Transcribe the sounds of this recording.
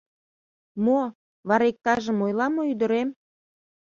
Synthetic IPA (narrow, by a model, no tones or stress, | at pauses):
mo | βɑɾek̚t̪ɑʒə̆mojlɑmoyd̪ə̆ɾem